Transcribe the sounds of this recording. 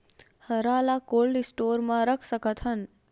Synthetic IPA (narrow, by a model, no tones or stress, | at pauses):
həɾalakolɖsʈoɾmãɾəkʰsəkət̪ʰɦən